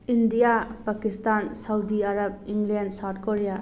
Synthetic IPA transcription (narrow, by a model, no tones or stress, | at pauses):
indijapakistansawdiaɾab̚iŋɡlendsat̚koɾija